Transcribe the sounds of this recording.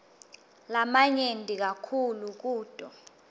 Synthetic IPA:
lamaɲentʼik̬akʰuluk̬uːd̥ʱʼɔ

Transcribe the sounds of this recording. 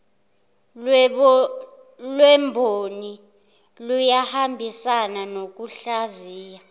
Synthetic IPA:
lwɛmbʱoni | lujahambʱisananok̬uɬaziːja

